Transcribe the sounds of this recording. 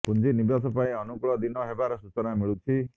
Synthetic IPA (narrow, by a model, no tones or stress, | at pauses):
kund͡ʒinibasɔpaĩɔnukuɭɔd̪inɔɦebaɾɔsut͡ʃɔnamiɭut͡ʃʰi